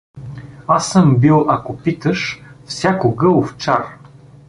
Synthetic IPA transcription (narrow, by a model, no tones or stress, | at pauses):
asəmbilˠakopit̪əʃfsʲakoɡɤlˠoft͡ʃaɾ